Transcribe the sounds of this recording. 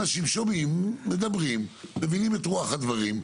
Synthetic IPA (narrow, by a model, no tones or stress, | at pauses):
naʃimʃomimːed̪abʁimːevinimetʁuaχad̪vaʁim